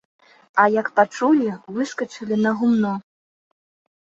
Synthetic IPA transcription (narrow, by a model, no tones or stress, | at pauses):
ɐjɐkpat͡ʂulʲivɨskɐt͡ʂɐlʲinɐɣumnɔ